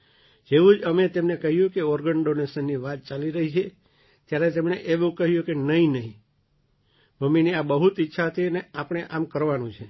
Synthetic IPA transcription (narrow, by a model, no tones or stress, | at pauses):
d͡ʒeʋũd͡ʒəmet̪emnekəɦjũkeɔɾɡəɳɖonesənːiʋat̪̚t͡ʃaliɾəɦit͡ʃʰe | t̪jaɾet̪emɳeʔeʋũkəɦjũkenəɦĩnəɦĩ | məmːiniabəɦut̪itːʃʰaɦət̪ʰiəneapɽ̃eʔamkəɾʋanũt͡ʃʰe